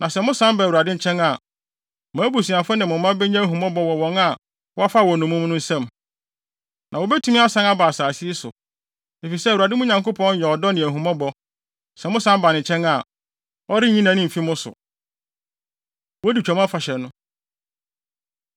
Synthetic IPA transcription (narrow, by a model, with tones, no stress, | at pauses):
nã˨sɛ˨mʊ̃˦sã˦mba˨u˨a˨dɪ˦˨t͡ɕʰɛ̃˦na˨ | mãː˨˦bu˨sĩ˨a˨fʊ̃˦nɪ̃˨mʊ̃˨mːã˦bɛ˦ɲã˦ɦũ˨mɔ̃˦bɔ˦wɔ˨wɔ̃˨ŋa˨ | wɔ˦a˦fa˦wɔ̃˨nʊ̃˨mʊ̃˦m˦nʊ̃˦n̩˦sɛ̃˦m | nʔã˨wo˨bɛ˦tʰu˦ĩ˦a˦sã˦na˦baː˨saː˨si˦i˦sʊ̰˨ | e˨fi˨sɛ˦˨u˨a˨dɪ˦mʊ̃˦ɲã˨ŋko˦pʰɔ̃˦n˦jɛ˨ɔ˨dɔ˦nɪ̃˨æ˨ɦũ˨mɔ̃˦bɔ˦ | sɛ˨mʊ̃˦sã˦mba˨nɪ̃˨t͡ɕʰɛ̃˦na˨ | ɔ˦ɾɪ˦ɲĩ˦nã˨nɪ̃˦m̩˨fi˦mʊ̃˦sʊ̰˨ | wɔ˦di˨t͡ɕᶣɔ˨mã˦fa˨ɕɛ˨nʊ̃˦